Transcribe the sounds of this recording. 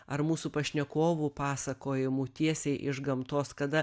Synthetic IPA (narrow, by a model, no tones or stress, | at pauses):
ɐɾmuːsupɐʃʲnʲɛkoːʋupɑːsɐkoːjɪmut̪ʲiɛsʲɛɪʔɪʒɡɐmt̪oːskɐd̪ɐ